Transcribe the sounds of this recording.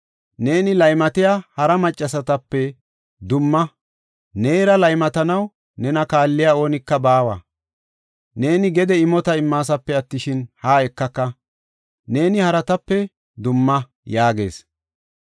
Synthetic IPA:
ne̞ːnɪlɐjmɐt̪ɪjaːhɐɾɐmɐt͡ʃʼːɐsɐt̪ɐpːɛ | d̪ʊmːɐ | neːjɾɐlɐjmɐt̪ɐnɐw | nɛnɐkaːlːɪjaːo̞ːnɪkːɐbaːwa̰ː | ne̞ːnɪɡɛd̪ɛɪmɔt̪ɐɪmːaːs̬ɐpːɛɐt̪ːɪʃɪnhaːɛkːɐkːɐ | ne̞ːnɪhɐɾɐt̪ɐpːɛ | d̪ʊmːɐ | jaːɡe̞̰ːs

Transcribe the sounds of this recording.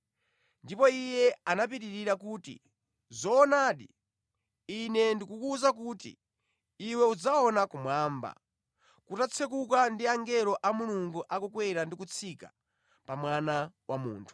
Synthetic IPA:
ndipɔijɛanap̬iɾiɾiɾakuːtḭ | zɔːnaːɗi | inɛndikukuzak̬utḭː | wɛud͡zaɔnakumwaːmba̰ | kutat͡sʰɛk̬uk̬andiaŋɡɛɾɔʔamuluŋɡuʔakukwɛɾandikut͡sʰikḁ̰ | pamwanawʔamṵːntʰu̥

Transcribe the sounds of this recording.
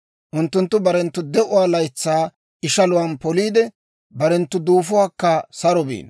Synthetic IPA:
ʔʊnt̪ːʊnt̪ːʊbɐɾɛnt̪ːʊd̪ɛʔʊwaːlɐjt͡sːaː | ʔɪʃɐlʊwɐnpɔliːd̪ɛ | bɐɾɛnt̪ːʊd̪uːfʊwaːkːɐsɐɾɔbḭːn

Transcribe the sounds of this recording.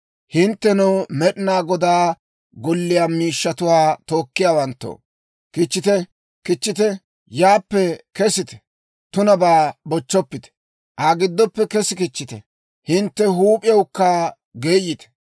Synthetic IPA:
hɪnt̪ːɛnɛwmɛɗɪnaːɡɔd̪aː | ɡɔlːɪjaːmiːʃːɐt̪ʊwaːt̪o̞ːkːɪjaːwɐnt̪ːo̰ː | kɪt͡ʃːɪt̪ɛ | kɪt͡ʃːɪt̪ɛ | jaːpːɛkɛsɪt̪ɛ̥ | t̪ʊnɐbaːbɔt͡ʃːɔpːɪt̪ɛ̥ | ʔaɡɪd̪ːɔpːɛkɛsɪkɪt͡ʃːɪt̪ɛ̰ | hɪnt̪ːɛɦuːpʼɪjɐwkːa | ɡeːjɪt̪ɛ̥

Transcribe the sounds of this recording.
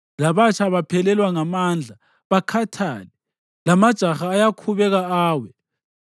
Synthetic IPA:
laβat͡ʃʰaβapʰɛlɛlwaŋamand͡ɮʱa | βakʰatʰa̰ːlɛ | lamad̥ʒ̥ʱaxaːjakʰuβɛɣaaːwɛ

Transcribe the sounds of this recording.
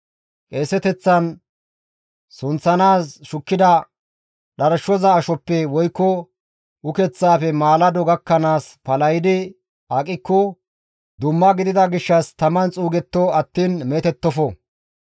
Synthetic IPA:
kʼeːsɛt̪ɛt͡sːɐn | sʊnt͡sːɐnaːsʃʊkːɪd̪ɐ | ɗɐɾɐʃːɔzaːʃɔpːɛwɔjkːɔ | ʔʊkɛt͡sːaːfɛmaːlɐd̪ɔɡɐkːɐnaːspɐlɐjɪd̪ɪ | ɐkʼɪkːɔ | d̪ʊmːɐɡɪd̪ɪd̪ɐɡɪʃːɐst̪ɐmɐnt͡sʼuːɡɛt̪ːɔɐt̪ːiːnmɛt̪ɛt̪ːɔfɔ

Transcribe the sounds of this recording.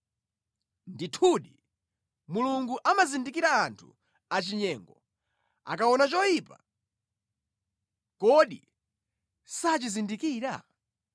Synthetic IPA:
nditʰuɗi | muluŋɡuʔamazindikiɾaːntʰṵ | at͡ʃiɲɛːŋɡɔ | a̰kaɔnat͡ʃɔjiːpa | kɔɗi | sat͡ʃizindikiːɾa

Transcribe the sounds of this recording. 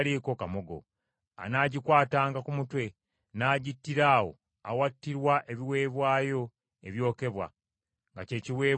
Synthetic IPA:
liːko̞kamo̞ɡo̞̰ | a̰naːɟikwaːtaːŋɡakumutwe̞ | naːɟitːiɾaːwo̞̰ | a̰watːiɾwaʔe̞βiwe̞ːβwaːjo̞ | eβjo̞ːke̞βwa̰ | ŋɡace̞ːciwe̞ː

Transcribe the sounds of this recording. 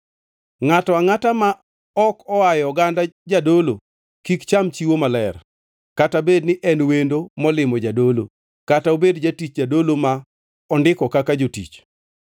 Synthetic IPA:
ŋatɔaŋatama | ɔkɔajɔɡandad͡ʒadolo̰ | kikt͡ʃamt͡ʃiwomalɛr | katabednɪʔɛnwendomɔlɪmɔd͡ʒadolo̰ | kataobedd͡ʒatit͡ʃd͡ʒadoloma | ɔndɪkɔkakad͡ʒotḭt͡ʃ

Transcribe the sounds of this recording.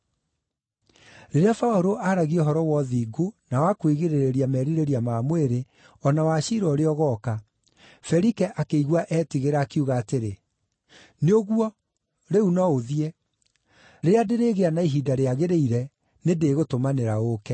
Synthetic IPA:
ɾeɾeafaoɾoʔaɾaɣiɔɦɔɾɔwɔðiːɡonawakwiɣeɾeɾeɾiamɛɾiɾeɾiamamweɾe | ɔnawaɕiɾɔɾeɔɣɔka | fɛɾikɛʔakeiɣwaʔɛːtiɣeɾaːkeuɣaːteɾe | neoɣuɔ | ɾeunɔoðiɛ | ɾeadeɾeːɣeanaiɦidaɾeaɣeɾeiɾɛ | nedeːɣotomaneɾaokɛ

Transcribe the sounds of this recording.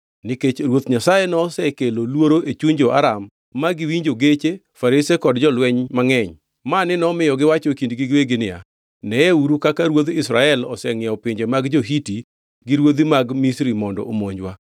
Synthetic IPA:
niket͡ʃɾwot̪ɲasajenɔsɛkelolwoɾoʔet͡ʃuɲd͡ʒoʔaɾamː | aɡɪwiɲd͡ʒoɡet͡ʃe | faɾisekɔdd͡ʒɔlwɛɲmaŋɛɲ | manɪnɔmɪjɔɡɪwat͡ʃɔkindɡiɡweɡɪnɪa̰ | nɛeuɾukakaɾwod̪isɾaɛlɔ̰sɛŋɪɔpɪɲd͡ʒemaɡd͡ʒoɦiti | ɡiɾwod̪imaɡmisɾimɔndɔ̰omoɲd͡ʒwa

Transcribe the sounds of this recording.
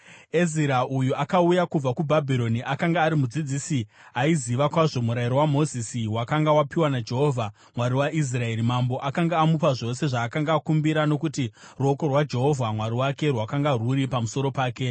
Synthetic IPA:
eziɾaujuakaujakub͡vakubʱabʱiɾo̞niʔakaŋɡaːɾimud͡zid͡ziːsi | aiziʋakwaʐo̞muɾaiɾo̞wamo̞zisiwakaŋɡawapiwanad͡ʒe̞ɦo̞vʱa | mwaɾiwaʔis̬rae̞ɾimambo̞ʔakaŋɡaːmupaʐo̞se̞ʐaːkaŋɡaːkumbiɾano̞kutiruokorwad͡ʒe̞ɦo̞vʱamwaɾiwake̞rwakaŋɡaruɾipamuso̞ɾo̞paːke̞

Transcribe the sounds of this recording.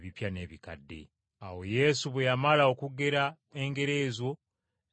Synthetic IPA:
βipjane̞βika̰dːe̞̰ | awo̞je̞suβwejamalao̞kuɡe̞ɾa | eŋɡe̞ɾe̞zwo̞

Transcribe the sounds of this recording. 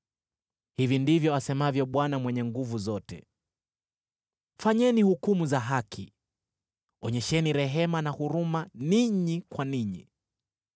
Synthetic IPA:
hivindivjɔasɛmavjɔɓwanamwɛɲɛŋɡuvuzɔtɛ̰ | faɲɛnihukumuzaɦakʰi | ɔɲɛʃɛniɾɛɦɛmanahuɾumaniɲikwaniɲi

